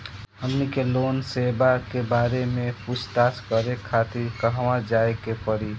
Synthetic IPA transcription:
əŋnikeloːnsebakebaːɾemẽput͡ʃʰt̪askəɾekʰat̪iɾkəɦʋãd͡ʒaːekepəɾi

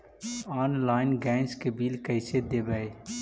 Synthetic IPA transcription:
aːnlaːɪnɡɛ̃ːŋskebiːlkəɪsed̪eːbəe

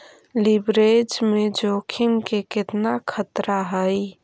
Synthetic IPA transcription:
libɾed͡ʒmed͡ʒokʰimkekɪt̪nakʰət̪ɾaɦəj

